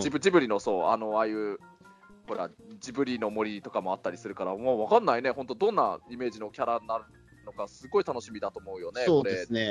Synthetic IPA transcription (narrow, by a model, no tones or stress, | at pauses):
d͡ʑibɯd͡ʑibɯ̟ɾʲino̞so̞ːano̞aːjɯ̟ː | ho̞ɾa̰d͡ʑibɯ̟ɾʲino̞mo̞ɾʲit̪o̞kamo̞at̪ːaɾʲisɨɾɯ̟kaɾamaβakanːaine̞hõ̞nt̪od̪õ̞nːa̰ime̞ːʑino̞kʲaɾanaɾɯ | no̞kasɨɡo̞it̪ano̞ɕimʲid̪at̪o̞ːmo̞ɯ̟jo̞neokːoɾene